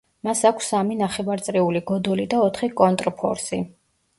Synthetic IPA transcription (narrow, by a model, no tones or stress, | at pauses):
masakʷʰsːaminaχɛvaɾt̪sʼɾɛuliɡɔd̪ɔlid̪aɔt̪ʰχikʼɔnt̪ʼɾpʰɔ̰ɾsi